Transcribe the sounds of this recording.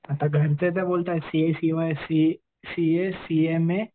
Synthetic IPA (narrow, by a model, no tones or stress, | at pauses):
ɐt̪aɡʱɐɾset̪ɛboːlt̪aɦɛsiesiʋasi | siesiemẽ